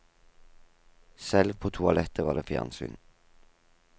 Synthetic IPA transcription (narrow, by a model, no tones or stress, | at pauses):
sɛlʋpʰoːt̪ʰʊɑlɛt̪ʰəʋɑːd̪ḛːfjæ̰ːʁnsy̰ːn